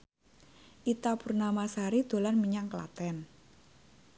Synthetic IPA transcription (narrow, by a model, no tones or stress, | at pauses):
ʔit̪apurnamasaɾid̪̥o̤lanmiɲaŋkla̰t̪ɛn